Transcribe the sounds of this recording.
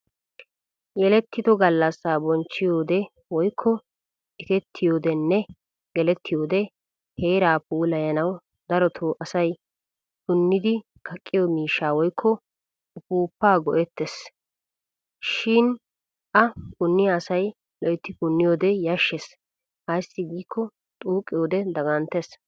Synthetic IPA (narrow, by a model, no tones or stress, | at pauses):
jɛlɛt̪ːɪd̪ɔɡɐlːɐsːaːbɔnt͡ʃːɪjoːd̪ɛ | wɔjkʰːɔ | ʔɪt̪ɛt̪ʰːɪjo̞ːd̪ɛnːɛ | ɡɛlɛt̪ʰːɪjoːd̪ɛ | heːɾaːpuːlɐjɐnɐw | d̪ɐɾɔt̪ʰoːʔɐsɐj | kʊnːɪd̪ɪ | kʰɐkʼːɪjɔmiːʃːaːwɔjkʰːɔ | ʊpuːpːaːɡɔʔɛt̪ːɛs | ʃɪn | ʔɐkʊnːɪjaːsɐj | lɔʔɛt̪ːɪkʊnːɪjoːd̪ɛjɐʃːes | hɐjsːɪɡiːkʰːɔ | t̪ʼuːkʼːɪjoːd̪ɛd̪ɐɡɐnt̪ɛs